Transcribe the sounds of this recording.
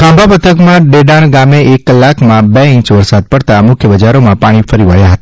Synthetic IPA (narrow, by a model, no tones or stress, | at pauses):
kãmbʱapət̪ʰəkmãɖeɖaɽ̃ɡameekːəlːakmãbeĩt͡ʃʋəɾsad̪̚pəɽt̪amʊkʰjəbəd͡ʒaɾomãpaɽ̃ifəɾiʋəɭjaɦət̪a